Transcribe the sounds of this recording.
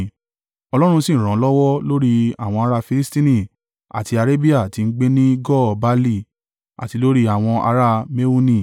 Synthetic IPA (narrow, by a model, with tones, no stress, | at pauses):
ɔ˧lɔ˦ɾ̃ũ˧sĩ˦˨ɾ̃ã˨˦lɔ˦wɔ˦lo˦ɾi˧a˨w̃ɔ̃˧a˧ɾa˧fi˧li˦stĩ˦nĩ˦˨ | a̰˨ti˧a˧ɾe˦bi˦a˦˨ti˧n̩˦ɡ͡be˦nĩ˦ɡɔ˦˨ba˦li˦˨ | a̰˨ti˧lo˦ɾi˦a˦˨w̃ɔ̃˧ʔa̰˧ɾa˧me˦u˦nĩ˦˨